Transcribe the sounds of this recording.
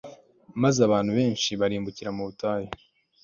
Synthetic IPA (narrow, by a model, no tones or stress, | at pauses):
mazaβaːnhuβe̞ːnʃiβaɾiːmbuciɾamuβutaːje